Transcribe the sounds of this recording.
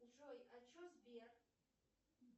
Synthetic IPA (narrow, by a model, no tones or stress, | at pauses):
ʐojat͡ʃʰozbijar